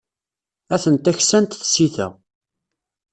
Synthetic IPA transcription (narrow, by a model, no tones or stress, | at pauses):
æθənt̪æçsænt̪θsiθæ̰